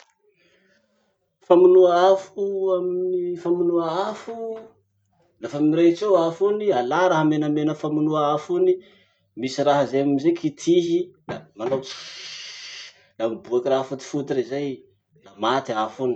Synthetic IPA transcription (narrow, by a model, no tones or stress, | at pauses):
famunuaafuaminnifamunuaafu | lafaminiret͡sewafunialaɾaɦamenamenəfamunuaafuni | misiraɦəzejamimizekʰit̪ʰiɦid̪amanot͡si̥ | lamibuakiraɦfut̪i̥fut̪iɾizaj | lamat̪iafuni̥